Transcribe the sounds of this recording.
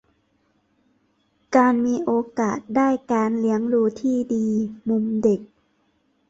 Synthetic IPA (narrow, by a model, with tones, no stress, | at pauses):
kaː˧nmiː˧ʔoː˧kaː˨˩t̪̚daː˥˩jkaː˧nli˦əŋɾuː˧t̪ʰiː˥˩diː˧mu˧mde˨˩k̚